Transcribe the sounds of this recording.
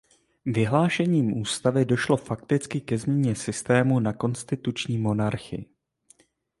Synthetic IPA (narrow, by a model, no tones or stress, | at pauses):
vɪɦlaːʃɛɲiːmʔuːst̪avɪdo̞ʃlo̞fak̚t̪ɪt͡skɪkɛzmɲɛɲɛsɪst̪ɛːmunako̞nst̪ɪt̪ut͡ʃɲiːmo̞naɾxɪ̰ɪ